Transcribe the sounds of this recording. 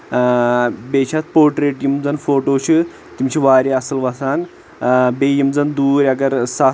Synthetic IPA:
beɕʰat̪̚poːɾʈɾeʈjimd͡zɐnfoʈoɕʰi | t̪imt͡ɕʰiʋaːɾiɐsəlʋɐsan | bejimd͡zɐnd̪uːɾʲɐɡɐɾsa

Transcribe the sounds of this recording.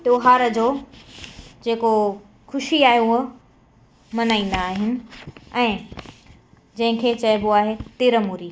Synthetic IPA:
t̪joːɦaːɾəd͡ʑoː | d͡ʑeːko | xʰʊʃiaːɦeʊɦə | mɐnaːĩːn̆d̪aːɦɪnɪ̆ɛ̃ː | d͡ʑɐ̃ɦɪ̃kʰeːt͡ɕɐjboaːɦet̪iːɾəmuːɾiː

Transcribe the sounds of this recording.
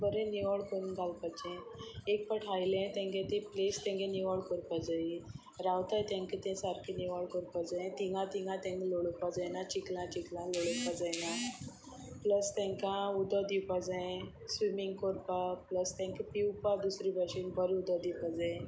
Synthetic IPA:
bəɾẽniʋaɭkoɾunɡʱalpat͡ɕɛ̃ek̚pəʈʰajlẽt̪ɛ̃ŋɡẽt̪ẽplest̪ɛ̃ŋɡeniʋaɭkɔɾpad͡zai | ɾawt̪ajt̪ãŋkit̪ɛ̃saɾkʰiniʋaɭkɔɾpad͡zaẽt̪iŋɡãt̪iŋɡãt̪ẽŋkloɭəpad͡zajnat͡ɕiklãt͡ɕiklãloɭəpad͡zajna | pləst̪ɛ̃ŋkãud̪ɔd̪iwpad͡zajẽ | sʋimiŋɡkoɾpapləst̪ɛ̃ŋkipiwpad̪usɾibaɕinbəɾẽud̪ɔd̪iwpad͡zã

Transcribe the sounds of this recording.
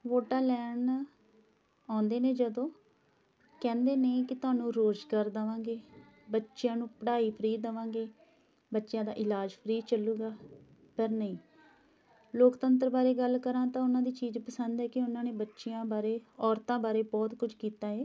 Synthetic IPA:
ʋoːʈaːlɛːɳ | aːnd̪eːneːd͡ʒəd̪õː | kɛ̃ːnd̪eːneːkɪt̪ʊaːnũːɾoːd͡ʒkəɾd̪əʋãːɡeː | bətːʃɪjãːnũːpəɽaːiːpʰəɾiːd̪əʋãːɡeː | bətːʃjãːd̪a̰ːʔɪlaːd͡ʒpʰəɾiːd̪t͡ʃəlːuːɡaː | pəɾnəĩː | loːkt̪ənt̪̬əɾbaːɾeːɡəlkəɾãːt̪ãːʊnãːd̪iːt͡ʃiːd͡ʒpəsənd̪ɛːkɪʊnãːneːbətːʃɪjãːbaːɾeːɔːɾt̪ãːbaːɾeːbɔːt̪kʊd͡ʒʰkiːt̪aːɛː

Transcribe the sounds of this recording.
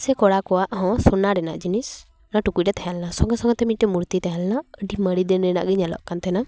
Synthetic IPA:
sɛkɔɽakɔwaʔɦɔ̃sɔnaɾɛna̰ʔd͡ʒinis | naʈukuc̚ɾɛt̪ʰajalnasɔŋɡɔsɔŋɡɔt̪ɛmit̪̚ˀʈɛmuɾt̪it̪aɦalnaəɖiməɽid̪ɛnɛna̰ʔɡɛɲalɔ̰ʔkant̪ɛna

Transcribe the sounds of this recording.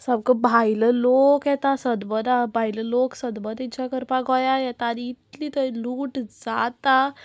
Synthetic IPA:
səbkəbʱajləlokjɛt̪asəd̪bəd̪abʱajləloksəd̪bəd̪it͡ɕakəɾpaɡɔjajɛt̪aːniːt̪liːt̪əiluːʈd͡zat̪a

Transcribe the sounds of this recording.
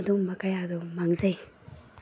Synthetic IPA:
d̪uŋmɐkajad̪umaŋzɐj

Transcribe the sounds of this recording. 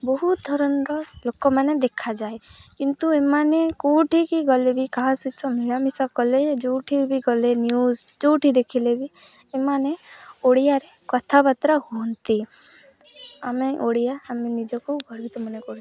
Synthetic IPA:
bɔɦut̪̚d̪ʱɔɾɔnɾɔlokɔmaned̪ekʰad͡ʒaekint̪uemanekuʈʰikiɡɔlebikaɦasut̪ʰɔmiɭamisakɔled͡ʒowʈʰibiɡɔlenjuzd͡ʒowʈʰid̪ekʰilebi | emaneoɽijaɾekɔt̪ʰabat̪ɾahuɔnt̪i | ameʔoɽijaːmenid͡ʒɔkuɡʱɔɾbʱit̪ɔmɔnekɔɾ

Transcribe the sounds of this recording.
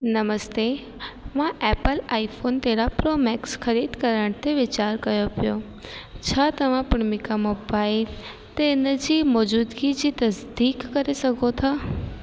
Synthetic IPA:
nɐməst̪eː | mãʔɛːpəlaːifoːnt̪eɾapɾoːmɛːksxɐɾiːd̪kɐɾəɽ̃t̪eʋɪt͡ɕaːɾkɐjopijo | t͡ɕʰaːt̪ɐʋ̤ãpʊɽmɪkamoːbaːɪl | t̪enəd͡ʑiːmɔːd͡ʑuːd̪ɡid͡ʑiːt̪ɐsd̪iːkːɐɾesɐɡʱot̪ʰaː

